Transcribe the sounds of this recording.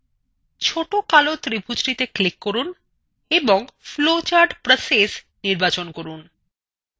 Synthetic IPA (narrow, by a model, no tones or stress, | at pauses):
t͡ɕʰoʈokalot̪ɾibʱud͡ʑɾit̪eklikːoɾun | eboŋflot͡ɕaɾɖpɾəses | niɾbat͡ɕonkoɾun